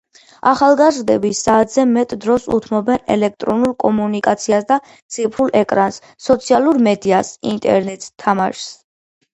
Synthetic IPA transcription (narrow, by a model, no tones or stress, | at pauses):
aχalˠɡazɾd̪ɛbisːaːt̪ʰz̥ɛmɛt̪ʼd̪ɾɔsṵt̪ʰmɔbɛnɛ̰lɛkʰt̪ʼɾɔnulˠkʼɔmunikʼat̪sʰiasd̪a | t̪sʰipʰɾulˠʔɛkʼɾansːɔt̪sʰialˠuɾmɛd̪iasint̪ʼɛ̰ɾnɛt̪ʼt̪ʰːamaʃs